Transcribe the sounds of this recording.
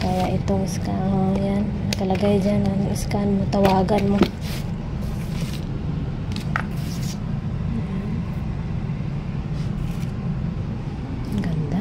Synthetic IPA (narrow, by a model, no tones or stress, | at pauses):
kajaʔit̪oiskaɦoŋjannakalaɡajd͡ʒananoʔiskanmot̪awaːɡanmo | ɡand̪a